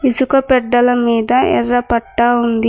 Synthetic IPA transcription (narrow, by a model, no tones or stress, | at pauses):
isukɐpɛɖːɐlɐmiːd̪ɐɛ̰rːɐpɐʈːaːund̪i